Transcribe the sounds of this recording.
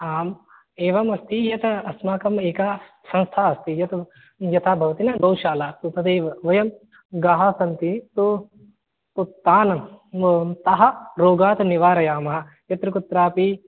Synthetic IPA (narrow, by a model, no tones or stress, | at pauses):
aːm | eːʋɐmɐst̪ijɐt̪ɐsmaːkɐmeːkaː | sɐ̃nst̪ʰaːɐst̪ijɐt̪ | jɐt̪ʰaːbʱɐʋɐt̪inɐbɐwʃaːlaːt̪upɐd̪eːʋɐʋɐjɐm | ɡaːɦasɐnt̪it̪u | put̪ːaːnɐmɐmt̪ɐɦɐ̆ɾoːɡaːt̪ɐniʋaːɾɐjaːmɐɦɐ | jɐt̪ɾukut̪ɾaːpi